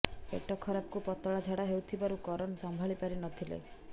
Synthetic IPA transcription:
ḛʈɔkʰɔɾap̚kupɔt̪ɔɭad͡ʒʱaɽaɦewt̪ʰibaɾukɔɾɔnɔsɔmbʱaɭipaɾinɔt̪ʰilḛ

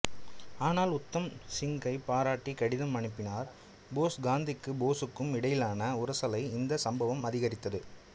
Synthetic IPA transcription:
aːnaːlʊt̪ːɐmsɪŋɡɐɪpaːɾaːʈːikɐɽɪðɐmːɐɳɪpːɪnaːɾ | boːsɡaːnd̪ɪkːɯboːsɯkːɯmɪɽɐjɪlaːnɐʊɾɐsɐlɐɪɪnd̪ɐsɐmbɐʋɐmɐðɪɣɐɾɪt̪ːɐðɯ

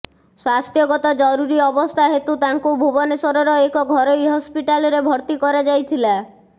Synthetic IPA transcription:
swast̪ʰjɔɡɔt̪ad͡ʒɔɾuɾiɔbɔst̪ʰaɦet̪ut̪aŋkubʱubɔnesɔɾɔɾɔekɔɡʱɔɾojɦɔspiʈalɔɾebʱɔɾt̪ikɔɾad͡ʒajt̪ʰila

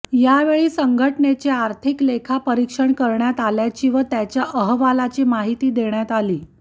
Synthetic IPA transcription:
jaʋeɭiːsəŋɡʱəʈɳet͡ɕeaɾt̪ʰiklekʰapəɾikʂəɳkəɾɳjat̪aljat͡ɕiːʋət̪jat͡ɕjaʔəɦʋalat͡ɕiːmaɦit̪iːd̪eɳjat̪aliː

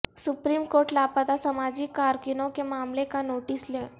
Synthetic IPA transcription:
supɾiːmkoɾʈlapət̪asəmad͡ʑiːkːaɾkinõkemaːmlekanoʈislẽ

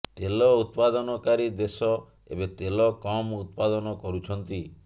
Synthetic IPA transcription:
t̪elɔut̪̚pad̪ɔnɔkaɾid̪esɔ | ḛbet̪elɔkɔmut̪̚pad̪ɔnɔkɔɾut͡ʃʰɔnt̪i

